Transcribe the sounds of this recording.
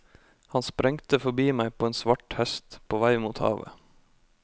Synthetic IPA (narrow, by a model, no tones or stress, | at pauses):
hɑnspɾɛŋt̪əfɔbiːmæɪpʰoːeːnsʋɑʈhɛst̪pʰoːʋæɪmuːt̪hɑ̰ːʋə̰